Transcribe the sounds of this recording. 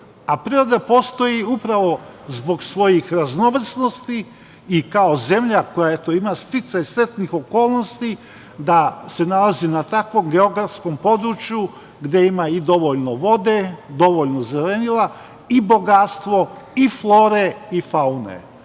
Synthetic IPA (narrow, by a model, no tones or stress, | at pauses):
apɾiɾod̪apo̞ːst̪o̞jiupɾaʋo̞zbo̞ɡsʋo̞jixɾazno̞ʋr̩sno̞st̪iː | kao̞ze̞mʎako̞jaet̪o̞imast̪it̪sajsɾe̞t̪nixo̞ko̞ːlˠno̞st̪i | d̪ase̞nalazinat̪akʋo̞mɡe̞o̞ɡɾafsko̞mpo̞d̪ɾut͡ʃju | ɡd̪e̞imaid̪o̞ʋo̞ʎnoʋo̞d̪e̞d̪o̞ʋo̞ʎnozelenila | ibo̞ɡat̪st̪ʋo̞iflˠo̞ːɾeifaunḛ